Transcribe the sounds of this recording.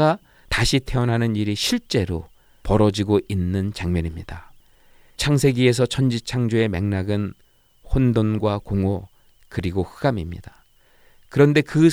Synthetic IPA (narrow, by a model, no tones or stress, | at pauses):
a | taɕʰitʰe̞ʌnɦanɯniɾiɕʰiɭt͡ɕ͈e̞ɾo | pʌɾʌd͡ʑiɡoʔinːɯnt͡ɕaŋmjʌɲimɲida | t͡ɕʰaŋsʰe̞ɡie̞s̬ʰʌt͡ɕʰʌnd͡ʑit͡ɕʰaŋd͡ʑue̞me̞̰ŋnaɡɯn | hondonɡwakoŋo | kɯɾiɡohɯɡamimɲḭda | kɯɾʌnde̞kɯ